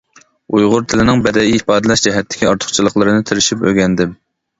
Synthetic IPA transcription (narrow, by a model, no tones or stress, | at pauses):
ujʁʊɾt̪ʰɪlɪnɪŋbɛd̪ɛjiipɑːd̪ɨlɛʃd͡ʒɛɦɛt̪ʰːɪ̥kʲiɑɾt̪ʰʊ̥χt͡ʃʰilˠəχlˠəɾɨnɨt̪ʰɪɾɪʃipø̰ɡʲɛnd̪ɪm